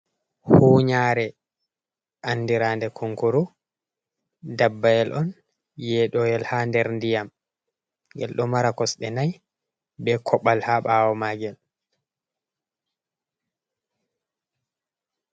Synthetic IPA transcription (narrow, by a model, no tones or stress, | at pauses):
huːɲaɾɛ | ʔanːdiɾaːndɛkʰuŋkuɾu | dabːajɛlʔɔn | jɛɗɔjɛlhandɛɾndijam | ɡɛ̰lɗɔmaɾakɔsɓɛnaj | bɛkʰɔɓalhaɓaːwɔmaːɡɛl